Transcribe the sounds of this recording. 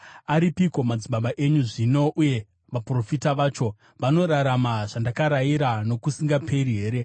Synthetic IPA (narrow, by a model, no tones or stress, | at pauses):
aɾipiko̞mad͡ziɓaɓaʔe̞ɲuʐino̞ʔuje̞ | ʋapro̞fitaʋaːt͡ʃo̞ | ʋano̞ɾaɾamaʐ̥andakaɾaiɾano̞kusiŋɡapʰe̞ɾiɦe̞ːɾe̞